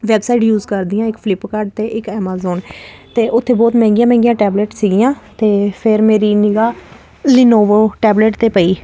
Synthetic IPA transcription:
ʋɛːbsaːiːʈjuːzkəɾd̪ijãːɪkpʰlɪpkaːɾɖ̚t̪eːʔɪkɛːmaːzoːn | t̪eːʔʊt̪ʰːeːbɔːt̪mɛ̃ːŋɡɪjãːmɛ̃ːŋɡɪjãːʈɛːbleːʈsiːɡɪjãːt̪eːpʰɪɾmeːɾiːnɪɡaː | lɪnoːʋoːʈɛːbleʈt̪eːpəiː

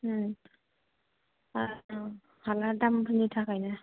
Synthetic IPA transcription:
a | haladambʰɯnitʰakʰajna

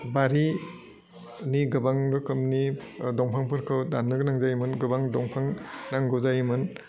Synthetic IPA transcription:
baɾi | niɡɯbaŋɾɯkʰɯmnidɔŋpʰaŋpʰɯɾkʰɯwdanːɯɡɯnaŋzajmɯnɡɯbaŋdɔŋpʰaŋnaŋɡɯzajmɯn

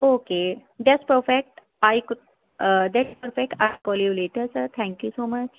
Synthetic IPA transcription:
oked̪ɛʈspəɾfek̚ʈ | ajk | d̪ɛʈspəɾfek̚ʈajkɔliʋleʈəɾsəɾt̪ʰɛ̃ŋkjusoːmət͡ɕ

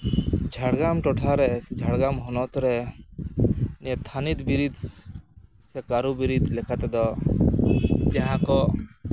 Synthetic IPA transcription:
d͡ʒʱaɽɡamʈɔʈʰaɾɛsɛd͡ʒʱaɽɡamɦɔnɔt̪ɔɾɛ | nɛt̪ʰanid̪biɾid̪ | sɛkaɾubiɾid̪lɛkʰat̪ɛd̪ɔ | d͡ʒaɦãkɔ

